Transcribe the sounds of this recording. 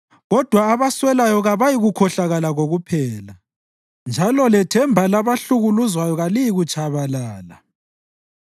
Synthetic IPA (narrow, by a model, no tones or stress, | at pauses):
ɣɔd̥ʱwaːβaswɛlajɔɣaβajiɣukʰɔɬaɣalaɣoɣupʰɛːla | nd͡ʒʱalɔlɛtʰɛmbʱalaβaɬuɣuluzwajɔɣalijiɣut͡ʃʰʼaβalaːla